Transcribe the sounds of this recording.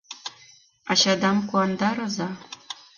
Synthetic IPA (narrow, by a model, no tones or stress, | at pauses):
ɑɕad̪ɑmkuɑnd̪ɑɾazɑ